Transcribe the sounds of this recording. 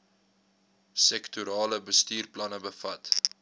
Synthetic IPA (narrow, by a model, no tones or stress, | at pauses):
sɛktuɾɑːləbəstiːrplɐnəbəfɐt